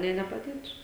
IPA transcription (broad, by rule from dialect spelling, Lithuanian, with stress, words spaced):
nʲeː nʲɛpɐˈdʲeːtuː